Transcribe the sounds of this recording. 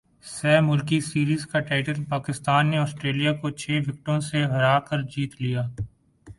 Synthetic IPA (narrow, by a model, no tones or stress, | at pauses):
sɛːmʊlkisiːɾiːzkaʈaːɪʈəlpaːkɪst̪aːnːeɔːsʈɾeːlijakot͡ʃʰeːʋɪk̚ʈõseɦɐɾaːkəɾd͡ʒiːt̪lijaː